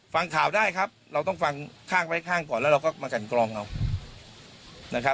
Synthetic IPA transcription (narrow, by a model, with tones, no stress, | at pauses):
fa˧ŋkʰaː˨˩˦wdaː˥˩jkʰa˦˥p̚ɾa˧wt̪ɔ˥˩ŋfa˧ŋkʰaː˥˩ŋwa˦˥˩jkʰaː˥˩ŋkɔː˨˩nlɛ˦˥ɾa˧wkɔː˥˩maː˧ka˧˩nklɔː˧ŋʔa˧w | na˦˥kʰa˦˥